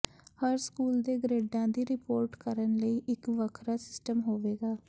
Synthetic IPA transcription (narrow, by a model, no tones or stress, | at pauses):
həɾskuːld̪eːɡɾeːɖãːd̪iːɾɪpoːɾʈkəɾənləiːʔɪkʋəkʰɾaːsɪ̥sʈəmɦoːʋeːɡaː